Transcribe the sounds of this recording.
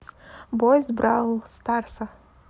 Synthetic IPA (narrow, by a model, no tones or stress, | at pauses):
bojzbɾalˠst̪arsa